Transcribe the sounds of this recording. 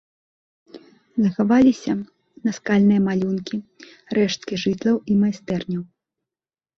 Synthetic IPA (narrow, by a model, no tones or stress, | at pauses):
zɐxavalʲisʲɐ | nɐskalʲnɨjɐmalʲunkʲi | rɛʂt̪kʲiʐɨt̪lˠɐwimajst̪ɛrnʲɐw